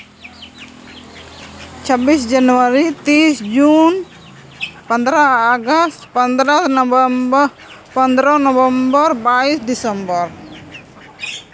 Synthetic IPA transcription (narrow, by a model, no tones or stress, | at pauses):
t͡ʃəbisd͡ʒanuaɾit̪isd͡ʒun | pənd̪ɾaːɡast̪pənd̪ɾasnb | pənd̪ɾanɔvəmbərbaisd̪isəmbər